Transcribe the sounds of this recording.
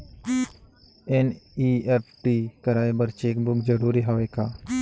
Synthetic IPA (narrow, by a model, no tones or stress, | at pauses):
enieːpʰʈiːkɐɾaːebɐɾt͡ʃeːkbʊkzəɾuːɾiɦaːʋekaː